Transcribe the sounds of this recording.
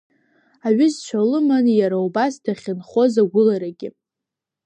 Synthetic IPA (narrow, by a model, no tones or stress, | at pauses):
aɥʏzt͡ʃʷʰalɨmanjaɾaubasdaχʲɪnχo̞zaɡʷʊlaɾaɡʲɪ